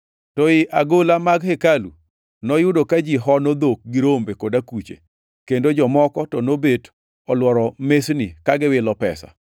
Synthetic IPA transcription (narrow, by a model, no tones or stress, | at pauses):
tɔɪʔaɡolamaɡhekalṵ | nɔjʊdokad͡ʒiɦɔnod̪ok̚ɡɪɾombekodakut͡ʃḛ | kendod͡ʒɔmɔkɔtɔnobet | ɔlwɔɾɔmesnɪkaɡɪwɪlɔpɛsa̰